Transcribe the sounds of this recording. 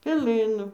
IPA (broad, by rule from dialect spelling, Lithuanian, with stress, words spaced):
pʲɛˈlˠɨnʊ